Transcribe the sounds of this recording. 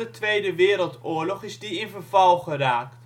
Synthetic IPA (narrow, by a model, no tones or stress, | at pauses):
ətʋejdəʋɪːɾəlˠtʊːɹlɔχɪzdiɪnvəɹvɑlˠχəɾaːkt